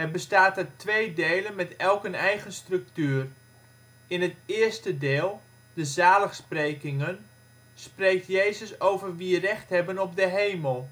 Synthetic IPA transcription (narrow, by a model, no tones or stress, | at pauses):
ɛrbəstaːtətʋeːjdeːlənmɛtɛlˠkənɛjɣənstrɵk̚tyːər | ɪnɦətɪːərstədeːlˠ | d̥əzaːləxsprejkɪŋən | sprejk̚tjeːzəsowvərʋirɛχthɛbənɔp̚dəɦejməlˠ